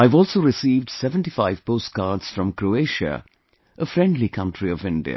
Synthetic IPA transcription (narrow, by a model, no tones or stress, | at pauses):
aɪvɔːlsoʊɾɪsiːvɖ̥sɛvə̃nʈifaɪv̥poːst̚ɡ̥aːɾdz̥fɾɔ̃mkɾoeɪʃə̰ | ʔəfɾɛ̃ndlikʰʌ̃nʈʰɾiɔvɪ̃ndḭə̰